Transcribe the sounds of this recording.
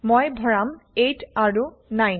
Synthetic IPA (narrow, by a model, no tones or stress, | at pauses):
mojbʱɔɹamejtaɹu | naj